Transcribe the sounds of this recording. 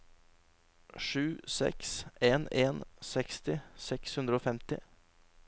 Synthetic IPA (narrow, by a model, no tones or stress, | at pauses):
ʂʉːsɛ̰kseːneːnsɛkst̪ɪsɛkshʉnd̪ɾəoːfɛmt̪ɪ